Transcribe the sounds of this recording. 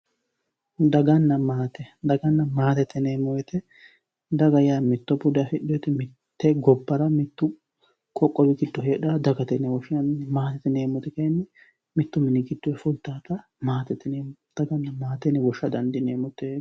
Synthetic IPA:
d̪ɐɡɐnːɐmaːt̪ɛd̪ɐɡɐnːɐmaːt̪ɛt̪ːɛneːmɔwɛt̪ɛ | d̪ɐɡɐjaːmɪt̪ːɔbʊd̪ɐfɪɗɔjɛt̪ɛmɪ | t̪ːɛɡɔbːɐɾɐmɪt̪ːʊ | kʼɔkʼːɔbɪɡɪd̪ːɔɦeːᶑaːd̪ɐɡɐt̪ɛnːɛwɔʃɐnmaːt̪ɛt̪ːɪne̞ːmɔt̪ɛkɐjnːɛ | mɪt̪ːʊmɪnɪɡɪd̪ːɔɛfʊlt̪ːaːt̪ɐ | maːt̪ɛt̪ːɪneːd̪̥ɐɡɐnːɐmaːt̪ɛnːɛwɔʃːɐd̪ɐnd̪ɪneːmɔt̪ɛ

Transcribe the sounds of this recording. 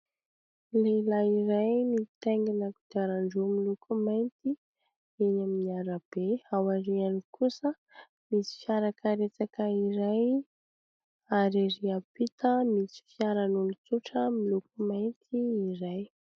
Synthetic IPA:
lelaiɾajmit̪eŋɡinaku̥d̪aɾaɳɖ͡ʐumilukʰumajnt̪i | inaminiaɾab̥eawaɾianikʰusə | misi̥fjaɾakʰaɾet͡sakəiɾaj | aɾiɾiapit̪ʰəmisi̥fjaɾanulut͡suʈ͡ʂəmilukumajnt̪ʰiːɾaj

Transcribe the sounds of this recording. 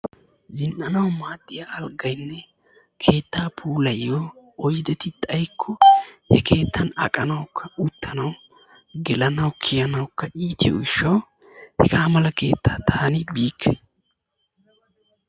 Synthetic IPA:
zɪnʔɐnɐwmaːt̪ʼːɪjaɐlɡɐjnːɛ | kʰe̞ːt̪ːaːpʰuːlɐjːoɔjd̪ɛt̪ɪt̪ʼɐjkʰːɔhɛke̞ːt̪ːɐnɐ̰kʼɐnɐwkʰːɐʊt̪ːɐnɐw | ɡɛlɐnɐwkʰɪjɐnɐwkːɐiːt̪ɪjo̰ɡɪʃːɐw | hɛɡaːmɐlɐke̞̰ːt̪ːaːt̪ʰaːnɪbiːkʰːɛ

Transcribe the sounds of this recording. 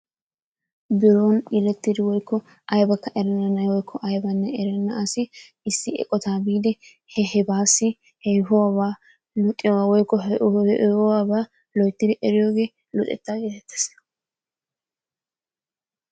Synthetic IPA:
bɪɾoːnɪlɛt̪ːɪd̪ɪwɔjkːɔ | ʔɐjbɐkːɐʔɛɾɛnːɐnɐjwɔjkʰːɔʔɐjbɐnːɛɛɾɛnːɐɐsɪ | ɪsːɪɛ̰kʼɔt̪aːbiːd̪ɛ | hɛhɛbaːsɪ | hɛɦʊwabaː | lʊt̪ʼːɪwɔjkːɔ | ɔwaːbaː | lɔjt̪ːɪd̪ɛʔɛɾɪjoːɡe̞ː | lʊt̪ʼɛ̰t̪ːaːɡeːt̪ɛt̪ːɛ̥s

